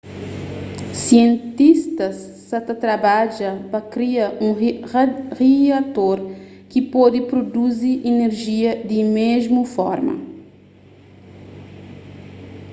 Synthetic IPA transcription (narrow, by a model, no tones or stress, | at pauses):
siẽnt̪ist̪ɐsː | at̪ɐt̪ɾabad͡ʒɐpɐkɾiɐʔũ | riat̪oɾ | kipɔd̪ipɾod̪uziʔineɾʒiɐd̪imezmufɔ̰ɾmɐ̰